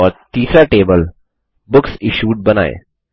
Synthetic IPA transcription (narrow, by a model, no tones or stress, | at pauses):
ɔɾt̪iːsɾaʈeːbəl | bʊksɪʃuːʈ̚bɐna̰ːḛ